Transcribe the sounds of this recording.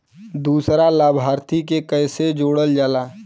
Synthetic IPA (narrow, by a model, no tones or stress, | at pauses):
d̪uːsɾalaːbʱaːɾt̪ikekəːsed͡ʒoːɽəld͡ʒaːlaː